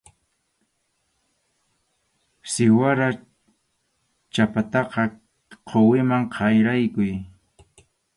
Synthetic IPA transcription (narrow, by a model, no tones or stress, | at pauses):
sɪwaɾa | t͡ʃapat̪ɑqɑ | qʰowɪmaŋqʰɑjɾajkʊj